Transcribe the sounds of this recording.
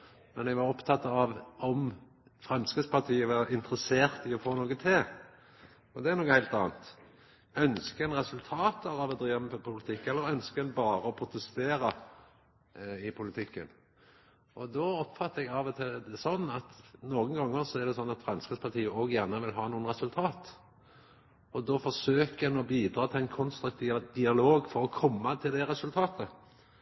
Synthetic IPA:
mɛnɛɡʋɑɾɔpt̪ʰɑt̪ːɑɑʋɔm | fʁɛmskəspɑʈ̪ʰiːəʋɑɾɪnt̪əɾəseːʁt̪ɪɔfoːnoːkət̪ʰeː | ɔd̪ɛæɾnɔːkːəhæɪlt̪ɑ̰ːnt̪ | œnskəɛnʁɛsʉlt̪ʰɑːt̪ɑʁɑʋɔd̪ɾiːʋɑmpʰʊlɪt̪ʰɪkːɛlːəɾœnskəɛnbɑːɾəɔpʰɾʊt̪əst̪eːɾɑ | ɪpʰʊlɪt̪ʰɪkːə̰n | ɔd̪ɔɔpfɑt̪ːəɛɡɑʋt̪ʰɪd̪ɛsɔnːɑt̪noːɡənɡɑŋːəɾsɔæʁɖ̪ɛsɔnːɑt̪fɾɑnskɾəspʰɑʈ̪ʰiːəoːɡjæʁnəʋɪlɦɑːnuːənʁɛsʉlt̪ʰɑːt̪ | ɔd̪ɔfɔʂøːkəɛnɔbiːd̪ɾɑːt̪ʰɪlɛɪnkʰɔnst̪ɾʉk̚t̪ʰiːʋd̪ɪɑloːɡfɔɾɔkʰɔmːɑt̪ʰɪld̪ɛɾɛsʉlt̪ʰɑːt̪ʰə

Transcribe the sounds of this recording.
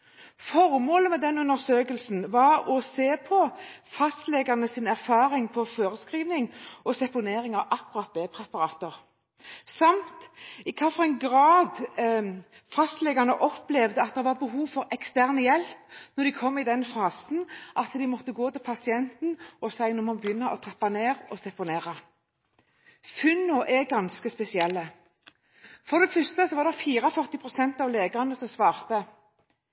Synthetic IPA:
fɔɾmoːləmɛd̪ɛnʉnːəɾsøːkəlsn̩ʋɑɾɔseːpʰɔfɑst̪lɛɡɑʁnəsɪnæʁfɑːɾɪŋpʰɔfoːɾəskɾiːʋnɪŋɔsɛpʊneːɾɪŋɑʔɑkːʉɾɑt̪̚beːpʰɾɛpɑɾɑːt̪əʁ | sɑmt̪ɪkʰɑːfɔʁɛɪnɡɾɑːd̪ | fɑst̪lɛɡɑnəʔɔplɛʋd̪əɑt̪̚d̪ɛʋɑbəɦuːʋfɔɾɛkst̪æʁnəjɛlpnɔʁd̪ɪkʰɔmːɪd̪ɛnfɑːsn̩ʔɑt̪d̪ɪmɔt̪ːəɡoːt̪ɪlpʰɑsɪɛnt̪nɔsæɪnɔmɔnbəjʏnːɑʔɔt̪ʰʁɛpːɑneːʁɔsɛpʊneːʁɑ | fʉnʊʔɛɡɑnskəspɛsɪɛlːə | fɔʁd̪ɛfœst̪əsɔʋɑːɾd̪ɛfiːɾəɔfœʁt̪ɪpʰʁʊsɛnt̪ɑʋleːɡəʁɑnəsɔmsʋɑːʁt̪ə

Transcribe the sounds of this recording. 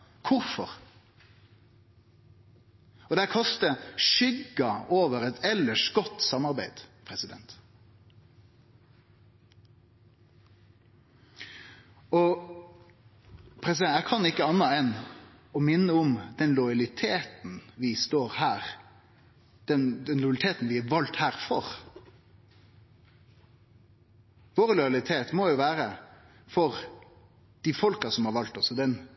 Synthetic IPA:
kʰʊɾfɔɾ | ɔd̪ækʰɑst̪əʃʏɡɑoːʋəɾɛt̪ʰɛlːəʂɡɔt̪ːsɑmɑɾbæɪd̪̥pʰɾɛsɪd̪ɛ̰nt̪ | ɔ | pʰɾɛs̬ɪɛæɪkʰɑnɪkːəɑnːɑɛn | ɔmɪnːəʊmd̪̥ɛnlɔjɑlɪt̪ʰeːt̪n̩ʋɪst̪oːɾhæːʁ | d̪̥ɛnd̪ɛnlʊɑlɪt̪ʰeːt̪n̩ʋɪæʋɑlt̪hæːʁfɔʁ | ʋoːʁlɔjɑlɪt̪ʰeːt̪moːjuːʋæːɾə | fɔʁ | d̪̥ifɔlkɑsɔmhɑːɾʋɑlt̪ɔsɔd̪ɛn

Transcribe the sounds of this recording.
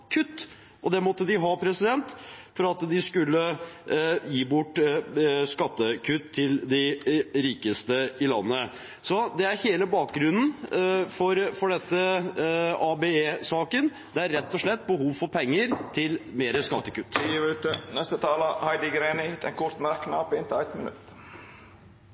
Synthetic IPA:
kʰʉt̪ː | ʔɔd̪ɛmɔt̪ːəd̪ɪɦɑpʰɾɛsɪd̪ɛnt̪fɔɾɑt̪d̪ɪskʉlːə | jiːbʊʈːskɑt̪ːəkʰʉt̪ʰːɪld̪ɪɾiːkəst̪əɪlɑ̰nːə | sɔd̪ɛæɾheːləbɑːk̚ɡɾʉnn̩fɔɾfɔɖɛt̪ːə | ɑbeeːsɑːkən | d̪̥ɛæɾːɛt̪ːɔʂɭɛt̪ːbəhuːʋfɔɾpʰɛŋːəɾt̪ʰɪlmeːɾəskɑt̪ːəkʉt̪ːt̪nɛst̪ət̪ʰɑːləhɑɪd̪ɪɡɾeːnɪt̪ɛnkʰʊɾt̪mæɾkːnɑpɪnt̪ɪæɪt̪mənʉ̰t̪

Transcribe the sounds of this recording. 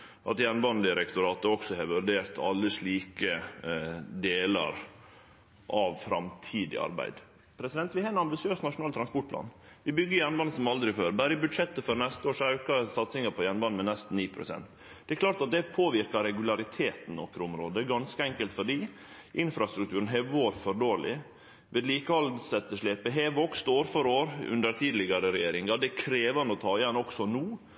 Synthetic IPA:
ʔɑ̰t̪jænbɑnd̪ɪɾɛkt̪ʊɾɑːt̪əɔksɔheːʋʉɾɖ̪eːɾt̪ʰɑ̰lːəʂɭiːkə | d̪eːlɑ̰ɾ | ʔɑʋfɾɑ̰mt̪ʰiːd̪ɪ̰ɑ̰ɾbæ̰ɪd̪ | pʰɾɛsɪd̪ɛnt̪ʋɪhɑːənɑmbɪsɪøːsnɑʂʊnɑːlt̪ʰɾɑnspɔʈ̚pʰlɑ̰ːnʋɪbʏɡːəjænbɑnsɔmɑld̪ɾɪføːɾbæːɾəɪbʉd̪ʂɛt̪ːəfɔɾnɛst̪əoːʂæʉːkɑsɑt̪sɪŋəpʰɔjænbɑnmɛnɛst̪n̩iːpʰɾʊ̰sɛ̰nt̪ | d̪̥ɛklɑːʈɑt̪̚d̪ɛpʰoːʋɪɾkɑɾɛɡʉlɑɾɪt̪ʰeːt̪n̩nɔ̰kɾəʊmɾo̰ːd̪əɡɑnskəɛŋkəlt̪fɔɖiː | ʔɪnfɾɑst̪ɾʉkt̪ʰʉːɾənɦɛʋʋoːɾfɔɾɖoːɭɪ̰ | ʋʔɛd̪liːkəɑlsɛt̪ːəʂɭeːpəɦɛːʋʋɔkst̪oːɾfɔɾoːɾʉ̰nd̪əɾt̪ʰiːd̪lɪɡɑɾəɾɛjeːɾɪŋɑd̪ɛkʰɾeːʋɑnəɔt̪ʰɑːɪjɛnːɔksɔnuː

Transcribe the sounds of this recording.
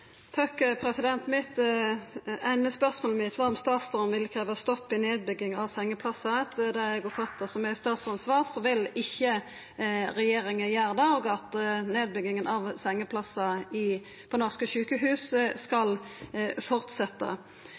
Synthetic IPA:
fʰøkəpʰɾɛsɪd̪ɛnt̪mɪt̪ | æɪnəspœʁsmoːlmɪt̪ʰʋɑːɔmst̪ɑːt̪sʉmʋɪlkʰɾæːʋəst̪ɔpːɪneːd̪̚bʏɡːɪŋɑʋsɛŋːəpʰlɑsɑt̪d̪ɛɛɡɔfʰɑt̪ːɑsɔmɛst̪ɑːt̪sʁɑnsʋɑːʁsɔʋɪlɪçːə | ɾɛjeːɾɪŋəjæːʁd̪ɑɔːɡɑt̪neːd̪̚bʏɡɪŋənʔɑʋsɛŋːəpʰlɑsɑɪ | pʰoːnɔʁskəʃʉːkəɦʉːsəskɑlfɔʁt̪sɛt̪ːɑ̰

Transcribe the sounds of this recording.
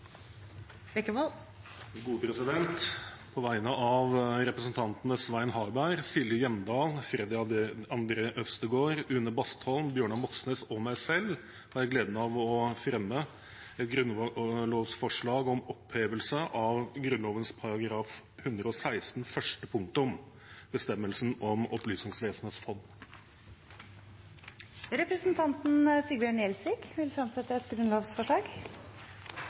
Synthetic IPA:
bɛkːəʋ̪ | ɡuːpʰɾɛsɪd̪ɛnt̪pʰɔʋæɪnəʔɑʋɾɛpɾəsənt̪ʰɑnt̪nəsʋæɪnɦɑːɾbæɪɾsɪljəjɛmd̪ɑːlfɾɛd̪ɪɑɑnd̪ɾeːʔœfst̪əɡoːɾʉnːəbɑst̪hɔlmbjøːɳɑmɔksnesɔmæɪsɛl | hɑɾjæɪɡleːd̪mɛɑʋɔfɾɛmːə | ɛt̪ɡɾʉnloːʋsfɔʂɭɑːɡɔmɔpʰheːʋəlsəʔɑʋɡɾʉnloːʋənspʰɑɾɑɡɾɑːf | hʉnd̪ɾəɔsæɪst̪n̩fœʂtʈəpʰʊŋt̪ʊm | b̥əst̪ɛmːəlsn̩ɔmɔplyːsnɪŋsʋeːsəm̩heːt̪sfɔnː | ɾɛpɾəsənt̪ʰɑnt̪nsiːbjøːɳɛlsʋɪːkʋɪlfɾɑmsɛt̪ːəɛt̪ɡɾʉnloːʋsfɔʂɭɑːɡ

